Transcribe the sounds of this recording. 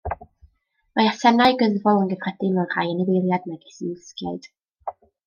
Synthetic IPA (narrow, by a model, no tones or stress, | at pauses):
majasɛnaɨɡəðvɔlˠənɡəvrɛdɪnɔr̥ajənəvelˠjadnɛɡɪsiɪskjaɨd̥